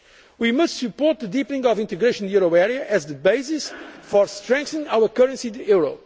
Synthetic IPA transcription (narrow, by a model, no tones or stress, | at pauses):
wimʌstsɨpɔɹt̪̚ðɨd̪ipənĩŋɡɔvĩnt̪ɨɡɾeʃɔ̃njuɾoɛɹiɐʔːzðɨbeɪsisfɔɾst̪ɹɛ̃ŋk̚θĩŋawəɾkəɾə̃nsitɛɹo